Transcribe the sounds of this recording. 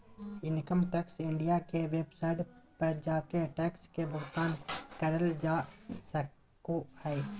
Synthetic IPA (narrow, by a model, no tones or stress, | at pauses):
ɪnkəmʈɛːksɪɳɖijakeʋeːbsaːɪɖpəɾd͡ʒaːkeʈɛːkskebʱʊɦt̪aːnkəɾəld͡ʒaːsə | kohɛe